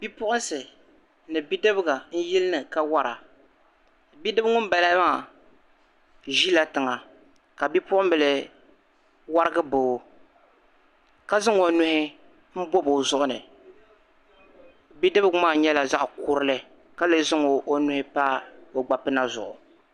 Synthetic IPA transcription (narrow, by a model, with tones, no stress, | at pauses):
bi˦pʊ˦ʔʊ˦n˦sɨ˨ | nɨ˨bi˦dɨ˦bɨ˦ɡa˨n̩˦ji˦lɨ˦nɨ˨ka˦wa˦ɾa˨ | bi˦dɨ˦bŋʊ˦m˦ba˨la˦maː˦˨ | ʒi˦la˨tɨ˨ŋa˨ | ka˨bi˦pʊ˦ʔʊ˦m˦bɨ˨lɨ˨ | wa˦ɾɨ˦ɡɨ˦bo˨ | ka˦zɨ˦ŋo˨nu˦hɪ˦ | m̩˦bo˦bo˨zʊ˦ʔʊ˦nɨ˨ | bi˦dɨ˦bɨ˦ɡmaː˦˨ɲɛ˦la˨za˦ʔkʊ˦ɾɨ˦lɨ˨ | ka˦lɨ˨zɪ˦ŋo˨ʔo˦nu˦hɪ˦paː˦o˨ɡ͡ba˨pɨ˦na˦zʊ̰˨ʔʊ̰˨